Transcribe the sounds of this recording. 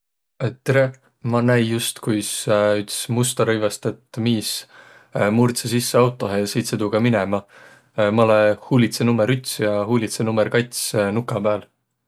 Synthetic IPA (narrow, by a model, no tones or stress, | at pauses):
et̪ɾe | mɑnæjjust̪kujsyt̪smust̪ɑɾɤjvɑst̪et̪miːs | murt̪sesisːeɑwt̪ːˑo̞ɦesit̪sed̪uɡ̥ɑminemɑ | mɑlehuːlit̪se̞numːeɾyt̪sjɑɦuːlʲit̪senumerkɑjt̪snukːˑɑb̥æːl